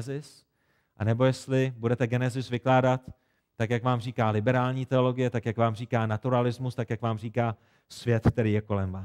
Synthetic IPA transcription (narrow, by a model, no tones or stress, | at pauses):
zɪs | ʔanɛbo̞jɛst̪lɪbudɛt̪ɛɡɛnɛzɪsvɪklaːdat̪ː | akjakvaːmriːkaːlɪbɛɾaːlɲiːt̪ɛo̞lo̞ɡɪjɛt̪akjakvaːmriːkaːnat̪uɾalɪzmust̪akjakvaːmriːkaː | svjɛt̪k̚t̪ɛɾiːjɛko̞lɛmvaːs